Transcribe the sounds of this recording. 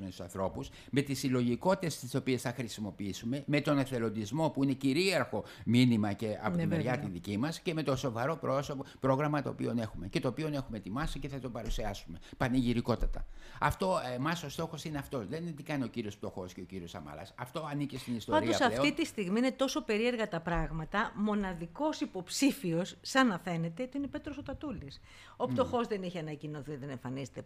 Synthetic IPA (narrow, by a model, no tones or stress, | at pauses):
mesu̥sɐnθɾo̞pus | me̞t̪isilo̞ʝiko̞t̪t̪est̪iso̞pie̞sθɐxɾisimo̞piisume̞me̞t̪o̞neθe̞lo̞nd̪izmo̞puine̞ciɾiɐɾxo̞minimɐce̞ɐ̰poiveɾʝɐt̪inðicimɐsce̞me̞t̪o̞so̞vɐɾo̞pɾospɾoɣɾɐmɐt̪o̰pḭo̞ne̞xume̞ce̞t̪o̞ːpio̞ne̞xume̞t̪imɐsice̞θɐt̪o̞pɐɾusiɐsume̞pɐniʝiɾiko̞t̪ɐt̪ɐ̰ɐft̪o̞emɐso̞st̪o̞xo̞sineɐft̪o̞sðent̪ikɐnio̞ciɾio̞sp̚t̪o̞xo̞sceo̞ciɾio̞sɐ̰mɐ̰lɐ̰sɐft̪o̞ɐnicest̪inist̪pɐnɾid̪oɐsɐlfetoit̪ist̪iɣmiine̞t̪o̞so̞pe̞ɾie̞ɾɣɐt̪ɐpɾɐɣmɐt̪ɐmo̞nɐðiko̞sipo̞psifio̞sːɐnɐfe̞ne̞t̪e̞ot̪iinepe̞t̪ɾo̞sot̪ɐt̪ulis | o̞pt̪o̞xo̞zðe̞niçeɐnɐcinoθiðe̞ne̞ɱfɐnizet̪e